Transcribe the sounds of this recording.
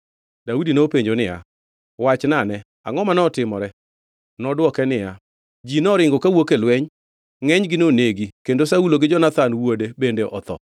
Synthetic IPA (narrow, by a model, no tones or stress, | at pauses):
daudinopeɲd͡ʒonɪja̰ | wat͡ʃnanɛ | a̰ŋɔmanɔtɪmɔɾɛ | nɔdwɔkɛnɪja | d͡ʒinɔɾɪŋɡɔkawokelwɛɲ | ŋɛɲɡɪnoneɡikendosauloɡɪd͡ʒɔnat̪anwodebendeʔɔ̰t̪ɔ̰